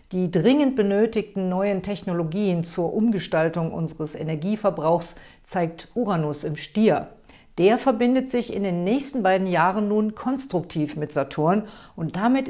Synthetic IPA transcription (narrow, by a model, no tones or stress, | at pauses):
d̥iːdʁɪŋənt̚b̥ənøːtɪçtn̩nɔʏəntʰɛçnoloɡiːənt͡suːɐʔʊmɡəʃtaltʊŋʔʊ̰nzəʁəsḛnɛɐɡiːfɛɐbʁaʊxs | t͡saɪk̚tʔuːʁanosɪmʃtiːɐ | d̥eːɐfɛɐbɪndətz̥ɪçɪ̰ndeːnːɛːçstn̩baɪdn̩jaːʁənːuːnkʰɔnstʁ̥ʊk̚tʰiːfmɪtz̥atʰoːɐnʔʊnt̚d̥amɪt